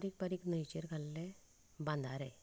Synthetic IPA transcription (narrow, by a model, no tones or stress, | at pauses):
ɾik̚paɾiknəjt͡ɕeɾɡʱalːe | bãnd̪ʱaɾaj